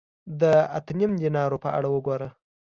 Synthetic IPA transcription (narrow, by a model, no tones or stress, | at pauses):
d̪əat̪ənimd̪inɑɾopəa̰ɽawəɡoɾə